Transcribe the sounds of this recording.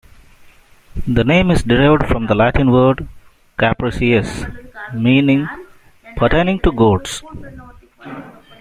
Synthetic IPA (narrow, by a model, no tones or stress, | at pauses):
d̪ənẽːmɪzɖɪɾaɪʋəɖfɾɔ̃md̪əlæʈɪ̃nʋəɾɖ | kæpɾəsiesmĩːnɪ̃ŋ | pʰəɾʈeːnɪ̃ŋʈuɡoːɖs